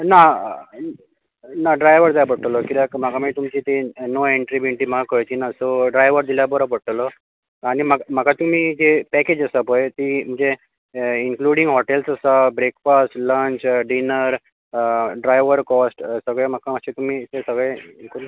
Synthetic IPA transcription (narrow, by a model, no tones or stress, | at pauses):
na | naɖɾajʋəɾd̪ajapəʈəlɔkit̪akm̤aɡamit̪umt͡ɕit̪enoeɳʈɾibiɳʈiːmaɡakəjt͡ɕinasoɖɾajʋəɾd̪iljabəɾopəʈlɔ | aɽ̃imam̤əkʰat̪um̤iːd͡ʑepɛked͡ʑəsəpojt̪im̤əɳd͡ze | iŋkluɽiŋɡɦoʈelsasabɾekfasʈlə̃ɲt͡ɕɖinəɾ | ɖɾajʋəɾkɔsʈsəɡɭemakaməɕet̪um̤iːsesəɡɭẽkun